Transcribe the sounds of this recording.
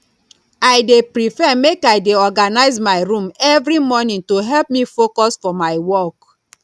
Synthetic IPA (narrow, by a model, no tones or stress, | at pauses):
aɪdepɹifɛmekaɪdeɔɡanaɪzmaɪɹũmɛvɹimɔnĩŋtuɦɛlp̚mifokɔsfɔmaɪwɔk